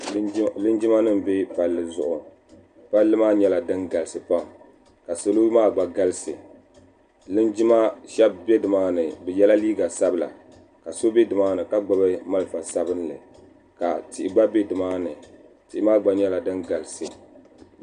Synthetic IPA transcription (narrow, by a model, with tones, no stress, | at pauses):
lɨ˦nd͡ʒɪ˦ma˦nɨ˦m˨be˦pa˨lːɨ˨zʊ˨ʔʊ˨ | pa˦lːɨ˦maː˦ɲɛ˦la˨dɨ˦nɡa˨lɨ˨sɨ˨pa˦˨m˨ | ka˨so˨lo˦maː˦ɡ͡ba˨ɡa˦lɨ˦sɨ˨ | lɨ˦nd͡ʒɪ˦ma˦ʃɛ˦b̚be˦dɨ˨maː˦nɨ˨bɨ˨jɛ˦la˦liː˦ɡa˨sa˦bɨ˨la̰˨ | ka˨so˦be˦dɨ˨maː˦nɨ˨ka˦ɡ͡ba˦bɨ˦ma˦lɨ˨fa˨sa˦bɨ˦nlɨ˨ | ka˨tɪ˨ʔɪ˨ɡ͡ba˦be˦dɨ˨maː˦nɨ˨ | tɪ˨ʔɪ˦maː˦ɡ͡ba˨ɲɛ˦la˨dɨ˦nɡa˨lɨ˨sɨ˨